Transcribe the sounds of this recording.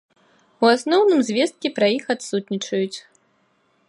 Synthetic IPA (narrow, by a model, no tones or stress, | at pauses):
uasnɔwnɨmzʲvʲɛst̪̚kʲɛpɾajixat̪sut̪nʲit͡ʂɐjut͡sʲ